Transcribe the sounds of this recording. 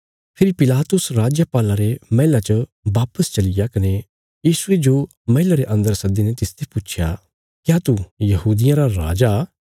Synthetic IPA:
pʰɪɾipɪlaːt̪ʊsɾaːd͡ʒapaːlaɾemɐɦɪlat͡ʃəbaːpəst͡ʃɐlɪjakɐne | jiːsʊed͡ʒo | mɐɦɪlaɾeʔɐ̃nd̪əɾsɐd̪inet̪ɪst̪ʰeput͡ʃʰja̰ | kjaːt̪ujɐhuːd̪ɪjãɾaɾa̰ːd͡ʒa

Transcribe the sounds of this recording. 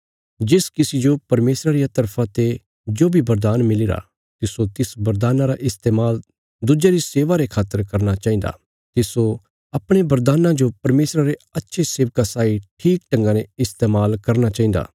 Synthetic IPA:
d͡ʒɪskɪsid͡ʒopɐɾmeːsɾaɾijat̪ɐɾpʰat̪e | d͡ʒoːbʱibɐɾd̪aːnmɪliɾa̰ | t̪ɪsot̪ɪsbɐɾd̪aːnãɾaʔɪst̪eːmaːl | d̪ʊd͡ʒaɾiseːʋaɾekʰaːt̪ːəɾkɐɾnat͡ʃaːĩn̆d̪a̰ː | t̪ɪso | ɐpɽ̃ebɐɾd̪aːnãd͡ʒopɐɾmeːsɾaɾeɐtːʃʰesɪʋkasaːiʈʰiːk̚ʈɐ̃ŋɡãneɪst̪eːmaːlkɐɾnat͡ʃaːĩn̆d̪a̰ː

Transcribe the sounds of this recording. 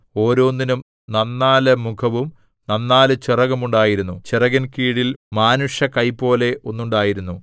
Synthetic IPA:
o̞ːɾo̞ːnːinum | nɐnːaːlɐmukʰɐʋum | nɐnːaːlɨt͡ɕirɐɣɐmuɳɖaːjiɾunːut͡ɕirɐɣɐnkiːɽilmaːnuʂjɐkɐjpːo̞ːle̞ʔo̞nːuɳɖaːjiɾunːu

